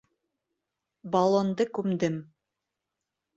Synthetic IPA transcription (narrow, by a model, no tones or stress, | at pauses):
bɑlˠond̪ɤkʉmd̪ɘm